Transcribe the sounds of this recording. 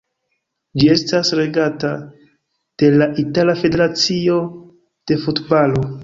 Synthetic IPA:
d͡ʒie̞stasɾe̞ɡata | d̥e̞laʔitalafe̞de̞ɾat͡sio̞ | d̥e̞futbalo̞

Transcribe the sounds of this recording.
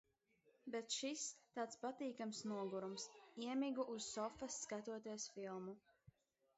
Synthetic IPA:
bet̪ʃist̪aːt̪spat̪iːkamsnuɔɡuɾumsiɛmiɡuʔuz̥ːɔfɐsːkat̪uɔt̪iɛsfilˠmu

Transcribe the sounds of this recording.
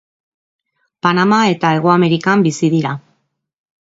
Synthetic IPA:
panamae̞t̪ae̞ɣ̞oame̞ɾikambisiðiɾa

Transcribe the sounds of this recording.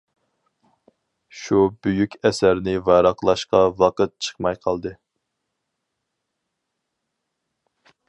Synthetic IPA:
ʃubyjykʲɛsæɾnɪvɑɾɑqlˠɑʃqɑwɑqət̪̚t͡ʃʰə̥χmɑjqʰɑlˠd̪ɨ

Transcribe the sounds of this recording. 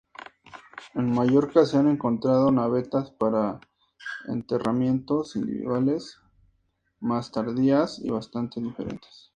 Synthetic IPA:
e̞nmaʝo̞ɾkaseane̞ŋko̞nt̪ɾað̞o̞naβe̞t̪aspaɾa | e̞̰nt̪e̞ramje̞nt̪o̞sind̪ḭβḭðwale̞s | mast̪aɾðiasḭβast̪ant̪eðife̞̰ɾe̞̰nt̪e̥s

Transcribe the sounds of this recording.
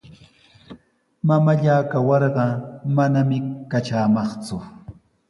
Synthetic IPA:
mamaʎaːkawɑɾɢɑmanamɪkat͡ʃaːmɑχt͡sʊ

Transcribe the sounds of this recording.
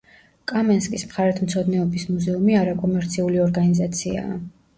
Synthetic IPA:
kʼamɛnskʼismχaɾɛt̪ʰmt̪sʰɔd̪nɛɔbismuzɛumiaɾakʼɔmɛɾt̪sʰiuliɔɾɡanizat̪sʰia̰ː

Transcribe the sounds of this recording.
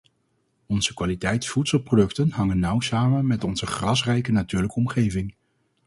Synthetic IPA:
ɔnzəkʋaːlitɛjtfutsəlˠprodɵktənɦɑŋənːʌwsaːmənmɛtɔnz̥əχrɑsrɛjkənatyːɹləkəɔmχejvɪŋ

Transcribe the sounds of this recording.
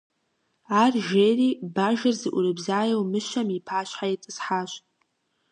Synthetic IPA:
arʒeribaʒɐrzɨʔʷʊɾɨbzaːjawmɨʃamipʰaɕħajitʼɨsħaɕʷʼ

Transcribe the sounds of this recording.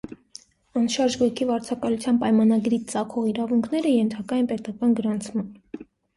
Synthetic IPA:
ɑnʃɑɾʒɡujkʰivɑɾt͡sʰɑkɑlut͡sʰjɑnpɑjmɑnɑɡɾit͡sɑkʰɔʁiɾɑvuŋkʰnɛɾəjɛnt̪ʰɑkɑjinpɛt̪ɑkɑnɡəɾɑnt͡sʰmɑn

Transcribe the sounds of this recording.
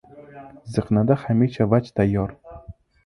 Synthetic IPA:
zɨqnad̪aχamet͡ʃʰavat͡ʃt̪ʰajːɒɾ

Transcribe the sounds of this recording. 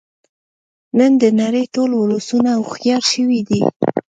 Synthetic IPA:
nənd̪ənaɾəjʈolwʊlusunaːwxjɑɾʃəwid̪i

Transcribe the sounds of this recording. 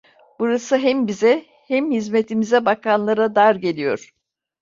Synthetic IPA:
b̥uɾasɯɦɛmbizɛ | hɛmhizmet̪ʰimizɛbakanlˠaɾad̪aɾɟe̞lʲijo̞̰ɾ̥

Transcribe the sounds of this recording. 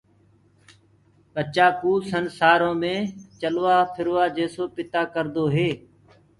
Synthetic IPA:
ɓət͡ʃaːkuːsənsaːɾõːmẽːt͡ʃəlʋaːpʰɪɾʋaːd͡ʒeːsoːpɪt̪aːkəɾd̪oːɦeː

